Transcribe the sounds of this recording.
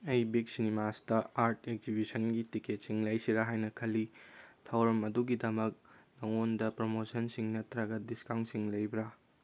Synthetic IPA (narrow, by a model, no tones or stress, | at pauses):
ɐjbik̚sinimastɐaɾtʰek̚zibisɐnɡitiket̚siŋlɐjsiɾaɦajnɐkʰɐlitʰawɾɐmɐduɡidɐmɐk̚nɐŋondɐpɾomosɐnsiŋnɐtːɾɐɡɐdiskaw̃ntsiŋlɐjbɾa